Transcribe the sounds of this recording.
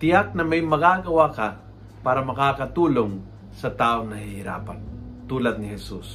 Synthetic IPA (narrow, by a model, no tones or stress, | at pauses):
t̪ɪjak̚nɐmɐjmɐɡaːɡɐwakɐ | paːɾɐmɐkaːkɐt̪uːloŋ | sɐt̪aːoŋnɐhɪhɪɾa̰ːpa̰nt̪uːlɐd̪̚nɪhɛsus